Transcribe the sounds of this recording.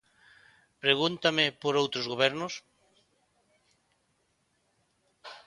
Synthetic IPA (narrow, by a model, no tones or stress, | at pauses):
pɾeɣunt̪amɪpoɾowt̪ɾʊzɣoβɛɾnʊs